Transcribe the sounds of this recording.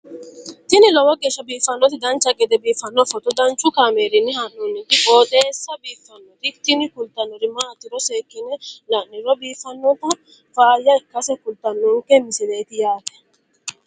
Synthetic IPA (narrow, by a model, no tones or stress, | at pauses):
t̪ɪnɪlɔwɔɡʼɛʃɔbiːfɐnːɔt̪ɪd̪ɐnt͡ʃaɡɛd̪ɛbiːfɐnːɔfɔt̪ɔd̪ɐnt͡ʃʊkamɛɾɪnːihɐnːunːɪt̪ɪbɔːd̪ɛːsɐbiːfɐnːɔt̪ɪt̪inɪkʊlt̪ɐnːɔɾɪmaːt̪ɪɾɔsekːɪnɛlanːɪɾɔbiːfɐnːɔt̪ɔ | faːjaɛkːɐsɛkʊlt̪ɐnːɔŋkɛmɪsɛlɛt̪ɪjaːt̪ɛ̥